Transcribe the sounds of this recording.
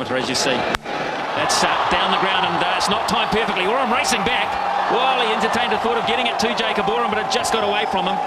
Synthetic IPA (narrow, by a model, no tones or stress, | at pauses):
əɾə˞ɨzjɨsi | ðætsʌd̥ãʊ̃nðɨɡɹãʊ̃ndə̃nɪtsnətʰãɪ̃mpɜ˞fɪk̚tˡliwə˞ãɪ̃mɹeɪsɪ̃ŋbæk | wɛlˠiɛ̃ntə˞tʰẽɪ̃ndðθɔɾʌvɡɛɾɪ̃ŋɨtʰʉd͡ʒeɪkəbɔɹə̃mbʌɾɨɪd͡ʒʌsɡ̥ɑɾəweɪfɹʌ̃mə̃m